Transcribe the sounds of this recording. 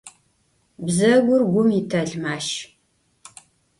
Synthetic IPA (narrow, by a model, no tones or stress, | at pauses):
bzɐɡʷʊrɡʷʊmitʰɐɮmaːʃ